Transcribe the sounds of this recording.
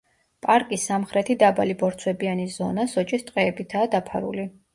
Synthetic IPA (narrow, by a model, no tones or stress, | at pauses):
pʼaɾkʼisːamχɾɛt̪ʰid̪abalibɔɾt̪sʰwɛbianizɔ̰nasɔt͡ʃʼist̪ʼqʼɛːbit̪ʰaːd̪apʰa̰ɾṵli